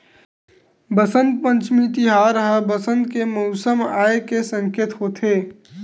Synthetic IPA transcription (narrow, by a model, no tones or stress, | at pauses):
bəsə̃nd̪̚pə̃nt͡ʃmĩt̪ɪɦaːɾəɦəbəsə̃nd̪kemɔʊsəmaːekesə̃ŋkeːt̪ɦoːt̪ʰeː